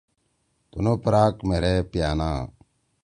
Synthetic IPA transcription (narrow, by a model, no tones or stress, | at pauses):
t̪unoːpɾaːkmeɾeːpjaːna̰ː